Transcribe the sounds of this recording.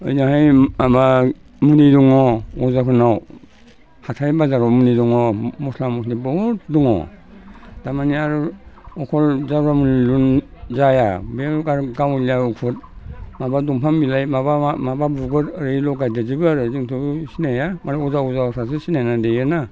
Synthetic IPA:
ɯ̰jnahajaba | muniduŋɔɔzakʰɯnaw | hatʰajbazaɾwamuniduŋɔmɔslamɔsnibɔhɔtduŋɔ̰ | d̥amaniaɾuɔkʰɔlzaɾamunilunzajabeɡaɾɡawliaukʰut̚mabaduŋpʰambilajmabamababuɡɯɾəɾɯjlɔɡajdazibɯaɾɯziŋtʰɯsinajamaɾiɔzaɔzaɔsʰas̬ɯsinajnadejɯna

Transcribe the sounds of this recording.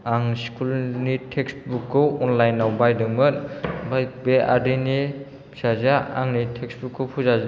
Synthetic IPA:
aŋskʰulnitʰeksbukʰːowɔnlajnːawbajdɯŋmɯnbaj̚beʔa̰dini | sazaa̰ŋnitʰeksbukʰːɯwpʰuzaza

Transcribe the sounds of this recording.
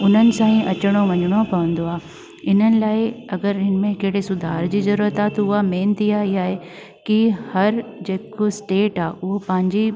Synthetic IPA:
ʊn̤ənɪ̆sãːĩʔɐt͡ɕəɽ̃oʋɐɲəɽ̃opɐʋə̃nd̪oaːɦe | ɪn̤ənɪ̆laːɪɐɡəɾɦɪn̆mẽkeɦɪɽesʊd̪ʱaːɾd͡ʑiːzɐɾuːɾət̪aːet̪ɐʊɦameːnt̪iaːɦiaːɦe | kihɐɾd͡ʑeːkosʈeːʈaːeʔʊɦopɐ̃ɦɪ̃ɲd͡ʑi

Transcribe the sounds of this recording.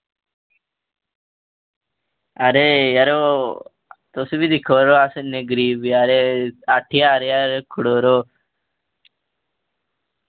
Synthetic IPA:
aɾejaɾo | t̪osubid̪ikʰoɾoasɐneɡɾibiaɾeaʈʰːijaːɾejaɾkʰuɽoɾo

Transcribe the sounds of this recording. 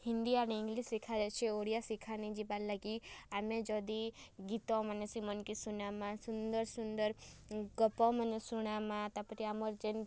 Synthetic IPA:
hĩnd̪ianĩŋɡlisikʰad͡ʒat͡ʃʰeoːɽijasikʰanĩd͡ʒibalaɡiamẽd͡ʒɔd̪iɡit̪ɔ̃mənesimɔnkisunamãsund̪əɾsund̪əɾɡɔpɔ̃mənesuɽ̃amãt̪apəʈ̪iamoɾd͡ʒen

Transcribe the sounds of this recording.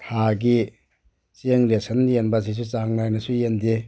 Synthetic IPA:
tʰaɡi | t͡ʃeŋɾesɐnjenbɐs̬is̬ut͡ʃaŋnajnɐsujendi

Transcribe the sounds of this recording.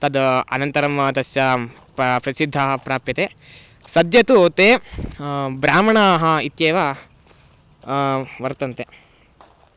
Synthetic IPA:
t̪ɐd̪ɐɐ̰nɐnt̪ɐɾɐmt̪ɐsjɐ | pɾɐsid̪ʱːɐɦɐpɾaːpjɐt̪e | sɐd̪jɐt̪ut̪eː | bɾaːmɐɳɐɦɐit̪jeːʋa | ʋɐɾt̪ɐnt̪e

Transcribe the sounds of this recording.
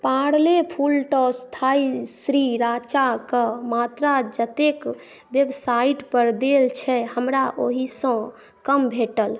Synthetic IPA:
paɽlepʰulʈɔst̪ʰaisɾiɾat͡ʃakəmat̪ɾad͡ʒət̪ek | ʋebsaiʈpəɾd̪elt͡ʃʰɛhəmɾaʔoɦisə̃ | kəmbʱeʈəl

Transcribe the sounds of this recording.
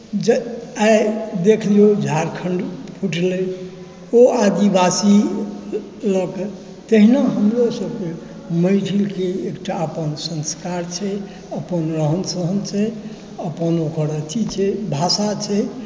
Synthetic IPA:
d͡ʒad̪ekʰlod͡ʒʱaɾkʰəɳɖpʰuʈle | oad̪ibasi | lək | t̪əɦinaɦəmɾosəbke | məjʈʰilkeekʈaəpənsə̃nskaɾt͡ʃʰɛ | əpənɾəɦənsəɦənt͡ʃʰɛ | əpənokəɾət̪ʰit͡ʃʰɛbʱasat͡ʃʰɛ

